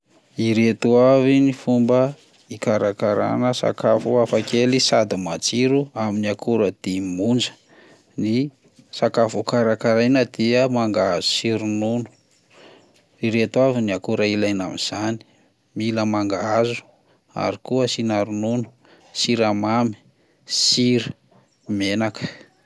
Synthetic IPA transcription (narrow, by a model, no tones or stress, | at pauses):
iɾet̪uavinifumbə | ikaɾakaɾa̰nəsa̰kafuafakelisad̪imat͡siɾuaminiakʰuɾəd̪̥imund͡ʒə̥ | ni | sakafukaɾakaɾajnəd̪iəmaŋɡaazu̥siɾununu̥ | iɾet̪waviniakuɾailajna̰miz̥ani̥ | miləmaŋɡaazu̥ | a̰ɾikuəsinaɾununu̥ | siɾamami̥ | siɾu̥ | menakə̥